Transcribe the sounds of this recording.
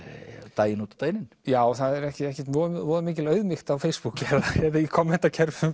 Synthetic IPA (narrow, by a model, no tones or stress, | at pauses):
t̪aːjɪnuːt̪ḁt̪aːjnɪn | jaːwθaðɛɾɛhcɪɛhcɛ̥t̪vɔːðvɔːðʏmiːc̬ɪlœɥðmɪxt̪awfeːjspuklɛðaɛðajɛkʰɔmːhɛht̪ːacʰɛɾvʏm